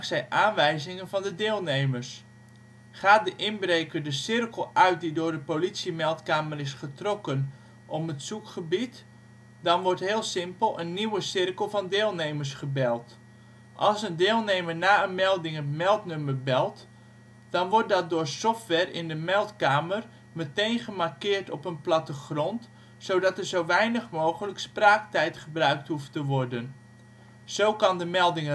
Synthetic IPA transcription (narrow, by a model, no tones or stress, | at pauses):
sɛjʔaːnʋɛjzɪŋənvɔndədɪːlˠneːmərs | χaːt̚dəʔɪnbreːkərdəsɪrkəlˠœɥt̚didʊːrdəpolitsimɛlˠtkaːmərɪsχətrɔkən | ʔɔpətsukχəbit | dɔnʋɔɹtɦɪːlˠsɪmpəlˠənːiwəsɪrkəlˠvɔndeːlˠnejməɹsχəbɛlˠt | ʔɑlˠsəndɪːlˠneːmərnaːənmɛlˠdɪŋəmɛlˠtnøməbɛlˠt | d̥ɔnʋɔɹt̚dɔt̚dʊːrsɔftʋɛrɪ̰ndəmɛlˠtkaːmər | mətejnχəmarkɪːrtɔpənplɑtəχrɔnt | sowdɑtərzowʋɛjnəχmoːχələkspraːk̚tɛjtχəbrœɥk̚thuftəʋɔrdən | z̥owkɑndəmɛlˠdɪŋ